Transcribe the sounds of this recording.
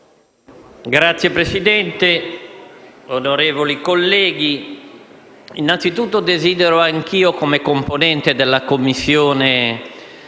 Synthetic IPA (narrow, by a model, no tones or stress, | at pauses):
ɡɾat̪sːjepɾesid̪ɛnt̪e | onoɾeːvolikolːɛːɡ̟i | inːant̪sit̪ut̪ːod̪eziːd̪eɾoaŋk̟iːokomekomponɛnt̪ed̪elːakomːisːjoːne